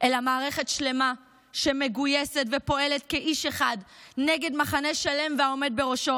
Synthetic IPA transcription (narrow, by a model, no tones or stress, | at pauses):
ʔelamaːʁe̞χetʃle̞ma | ʃe̞me̞ɡujesetve̞po̞elet̪keʔiʃe̞χadneɡe̞dmaχaneʃale̞mveao̞me̞d̪̚beʁo̞ʃo̞